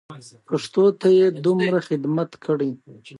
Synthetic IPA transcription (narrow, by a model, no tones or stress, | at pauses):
paʂt̪ot̪ajed̪umɾaxɪd̪mat̪kʰəɽi